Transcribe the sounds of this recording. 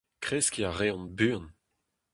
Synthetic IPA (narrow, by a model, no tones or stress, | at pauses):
kχeskʲiaʁeɔ̃nbyːn